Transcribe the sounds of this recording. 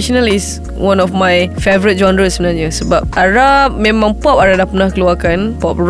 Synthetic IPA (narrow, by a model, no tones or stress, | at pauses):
ʃɔnəlis | wãnɔfmajfevəɹit̚d͡ʒɔ̃ndɹəsmənad͡ʒəsəbap̚ʔaɹap̚mɛ̃mãŋpɔp̚aɹaʔdapənahkəluakãnpɔp̚ɹ